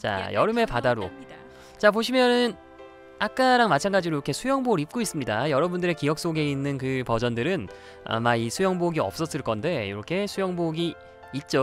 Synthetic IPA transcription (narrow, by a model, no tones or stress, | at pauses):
t͡ɕa̰jʌɾɯme̞padaɾo̰ | t͡ɕapoɕʰimjʌnɯn | ak̚k͈aɾaŋmat͡ɕʰanɡad͡ʑiɾoiɾʌkʰe̞sʰujʌŋboɾip̚k͈ois͈ɯmɲidajʌɾʌbundɯɾe̞kijʌk̚s͈oɡe̞inːɯnkɯpʌd͡ʑʌndɯɾɯn | a̰maisʰujʌŋboɡiʌp̚s͈ʌs͈ɯɭk͈ʌnde̞iɾʌkʰe̞sʰujʌŋboɡiː | t̚t͡ɕ͈o